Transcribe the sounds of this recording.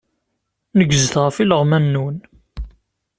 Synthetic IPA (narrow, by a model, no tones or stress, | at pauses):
nəɡzəθʁəfiləʁmænːun